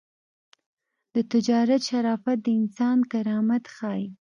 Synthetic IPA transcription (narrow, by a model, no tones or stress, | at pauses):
d̪̥ət̪ɪd͡ʒɑɾat̪ʃaɾɑfat̪̚d̪əɪnsɑnkaɾɑmat̪xɑj